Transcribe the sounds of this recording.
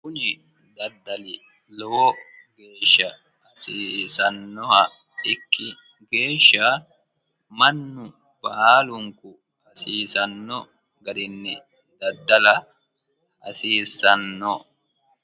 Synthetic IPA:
kʊnɪ | d̪ɐd̪ːɐlɪ | lɔwɔ | ɡe̞ːʃːɐː | siːsɐnːɔhɐ | ɪkʰːɪ | ɡe̞ːʃːa | mɐnːʊ | b̥ɐːlʊŋkʊ | ɐsiːsɐnːɔ | ɡɐɾɪnːɛ | d̪ɐd̪ːɐlɐ | ɐ̰siːsɐnːɔ

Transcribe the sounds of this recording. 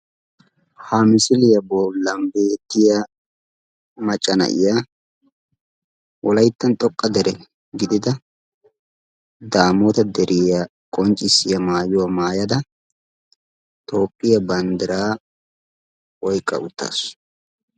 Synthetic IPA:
hamɪsɪlɪjɐbolːɐmbeːt̪ːɪjɐ | mɐt͡ʃʼːɐnɐ̰ʔɪ̰ja | wʔɔlɐjt̪ːɐnt̪ʼɔkʼːɐd̪ɛɾɛ | ɡɪd̪ɪd̪ɐ | d̪aːmot̪ɐd̪ɛɾʔɪjɐ | kʼɔnt͡ʃʼɪsːɪjɐmaːjʊwamaːjɐd̪ɐ | t̪ʼo̞ːpʼːɪjɐbɐnd̪ɪɾaː | wɔjkʼːɐ̰ʔʊt̪ːa̰ːs

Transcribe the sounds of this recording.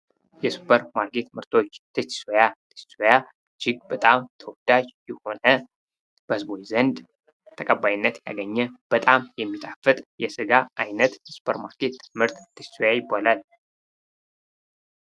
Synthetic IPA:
jɛsu̥pʰəɾmaɾket̪mɨɾt̪ʰo̞t͡ʃːt̪ʰɨt͡ʃːsojat̪ʰɨ̥t͡ʃsoja | d͡ʒɪɡ̚bət̪ʼamt̪ʰəwɔd̪ad͡ʒjɛho̞nə | b̥əhɨzbojzənd̪ | t̪ʰəkʼəbːajɪnːət̪ja̰ɡəɲːɛb̥ət̪ʼamjɛmːit̪ʼafɨt̪ʼjɛsɨɡaajnət̪jɛsu̥pʰəɾma̰ɾkʰet̪mɨɾt̪t̪ʰːɨt͡ʃsojajɪbːalal

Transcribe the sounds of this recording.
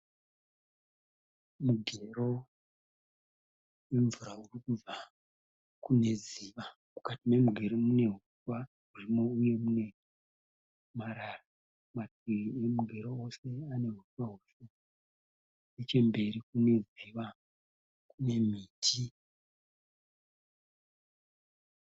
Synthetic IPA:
muɡʱe̞ɾo̞ | weɱvuɾaurikuva | kune̞ziʋa | mukatime̞muɡʱe̞ɾomune̞ɦutwa | urimo̞uje̞mune̞ | maɾara | matiriemuɡʱe̞ɾoose̞ane̞ɦutwaɦusa | net͡ʃe̞mbe̞ɾikune̞ziʋa | kune̞miːtʰi

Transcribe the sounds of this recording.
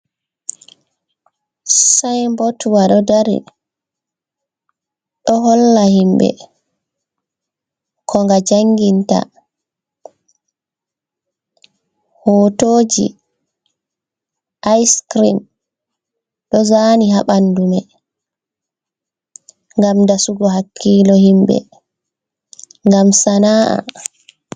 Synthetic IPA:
sajmbɔtuwaɗɔdaɾḭ | ɗɔɦɔlːahimbɛ̰ | kʰɔŋɡad͡ʒaŋɡinta̰ | hoːtoːd͡ʒḭ | ʔajskɾim | ɗɔzaːniɦaɓandumɛ | ŋɡamdasuɡɔhakʰːiːlɔhimbɛ̰ | ŋɡamsanaːʔa̰

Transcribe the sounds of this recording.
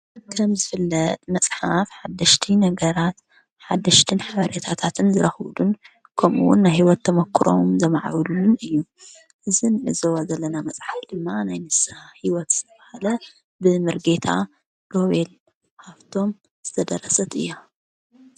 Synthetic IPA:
kʰɐmzɨfɨlːɐt̪ʼmɐsʼħafħad̪ːɐʃt̪ʰinɐɡɐɾat̪ | ħad̪ːɐʃt̪ʰɨnħaβɐɾet̪ʰat̪ʰat̪ʰɨnzɨɾɐxwd̪un | kʰɐmṵwʊnːajhiwɔt̪ʰːɐmɐkʰːɨɾo̞̰mzɐmaʕa̰wlulːunɨjːu | ʔɨzinɨzɐwozɐlːɐnamɐsʼħafd̪ɨmːanajnɨsahiwɔt̪z̥ɨt̪ʰɐβahalɐ | bɨmɨɾɡe̞t̪ʰa̰ | lo̞βel | kʰaβt̪ʰo̞m | z̥ɨt̪ʰɐd̪ɐɾɐsɐt̪ɨ̰jːo

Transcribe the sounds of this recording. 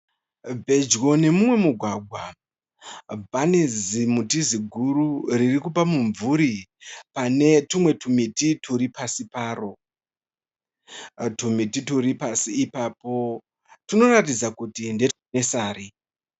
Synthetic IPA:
bʱe̞d͡ʒɣo̞ne̞mumwe̞muɡʱwaɡʱwa̰ | bʱanezimutiziɡʱuɾuririkupamuɱvuɾipane̞tumwe̞tʰumititʰuɾipasipaːɾo̞ | tumitituɾipasiːpaːpo̞ | tino̞ɾatid͡zakutinde̞tne̞saːɾi

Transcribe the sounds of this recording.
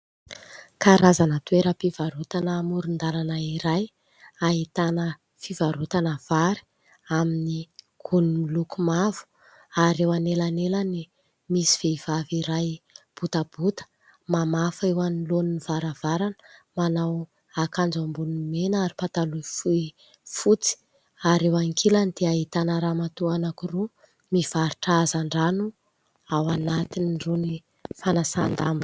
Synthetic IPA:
kaɾazanət̪ueɾəpivaɾut̪anəmuɾund̪alanəiɾaj | aɦit̪anə | fivaɾut̪anəv̥aɾi̥ | amini | ɡ̥ʰunimilukumav̥u̥ | aɾewanelanelani | misi̥v̥eiv̥aviɾajb̥ut̪əb̥ut̪ə̥ | mamafewaniloniniv̥aɾav̥aɾanə̥manaw | akand͡zambunimenaɾipat̪alufui | fut͡si̥ | aɾewaŋkʰelanid̪̥eait̪anəɾamat̪uanakuru | miv̥aɾu̥ʈ͡ʂaazaɳɖ͡ʐanu | awanat̪iniruni | fanasa̰nd̪a̰mbi

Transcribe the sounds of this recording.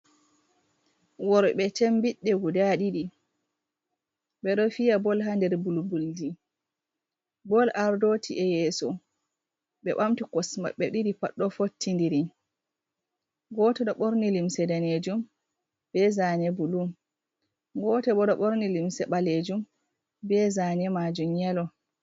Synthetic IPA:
wɔɾɓɛt͡ʃɛmbiɗːɛɡudaɗiɗi | ɓɛɗɔfijabɔlɦandɛɾbulbuldi | bɔlʔaɾdotʰiʔɛjɛːsɔ | ɓɛ̰ɓamtikɔsma̰ɓɛɗiɾipaɗːɔfotːindiɾi | ɡɔtɛɗɔɓoɾnilimsɛdaned͡ʒum | bɛzanɛbulum | ɡɔtɛbɔɗɔɓoɾnilimsɛɓaled͡ʒum | bɛzanɛmad͡ʒumɲɛlɔ

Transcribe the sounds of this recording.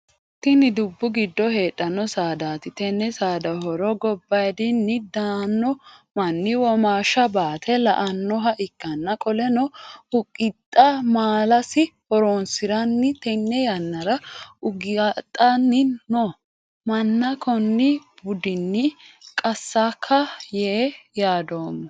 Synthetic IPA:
t̪ːɪnɪd̪ʊbːʊɡɪd̪ːɔhe̞ːᶑːɐnːɔsaːd̪aːt̪ɪt̪ɛnːɛsaːd̪ɐɦɔɾɔɡɔbːɐjd̪ɪnːɪd̪aːnːɔmɐnːɪwɔmaːʃɐbaːt̪ʰɛlɐ̰ʔɐnːɔɦɐʔɪkːɐnːɐkʼɔlɛnɔhʊkʼːɪt̪ʼːɐmaːlɐsɪhɔɾoːnsɪɾɐnːɪt̪ɛnːɛjɐnːɐɾɐʊɡt̪ʼːɐnːɪnɔ | mɐnːɐkʰɔnːɪbʊd̪ɪnːɪkʼɐsːakʰːɐjɛjaːd̪oːmːɐ

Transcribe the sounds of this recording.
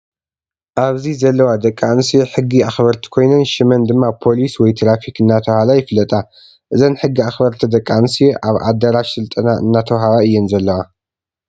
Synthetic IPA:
ʔaβzizɐlːɐwad̪ɐkʼːansijeħɨɡːiaxbɐɾt̪ʰi̥kʰo̞jnɐnʃɪmɐnd̪ɨmːapʰo̞liswɔjt̪ʰɾafikɨnːat̪ʰɐwhalajɪflɐt̪ʼa | ʔɨzɐnħɨɡːiaxbɐɾt̪ʰid̪ɐkʼːansijeʔaβʔa̰d̪ɐɾaʃsɨlt̪ʼɐnaʔɨ̰nːat̪ʰɐwɦaβaɨjːɛnzɐlːɐwa

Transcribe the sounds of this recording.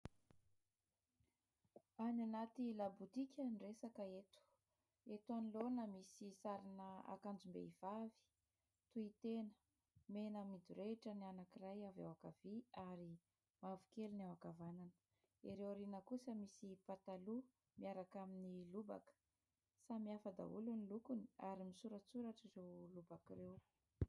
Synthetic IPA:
ananat̪ilabut̪ikʲənresakəet̪u̥ | et̪anilonəmisisaɾinəa̰kand͡ʒumbḛivavi̥ | t̪uit̪enə̥ | menəmid̪uɾeʈ͡ʂənianakirajava̰wakav̥iaɾi | mavukelunawakavananə̥ | iɾewɾinəkusəmisipat̪alu | miaɾakaminiluba̰kə̥ | samiafəd̪a̰ulunilukuniaɾimisuɾət͡suɾaʈ͡ʂizewlubakirew

